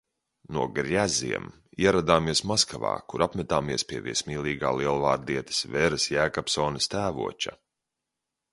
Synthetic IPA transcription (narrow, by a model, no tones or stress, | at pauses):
nuɔɡɾjæzḭɛm | iɛɾad̪aːmiɛsmaskava̰ːkuɾapmɛt̪aːmiɛspʲiɛvḭsmʲiːlˠiːɡaːliɛlˠvaːɾd̪iɛt̪ɐ̥svɛɾɨsjæːkapsɔːnɐst̪æːvṵɔt͡ʃa̰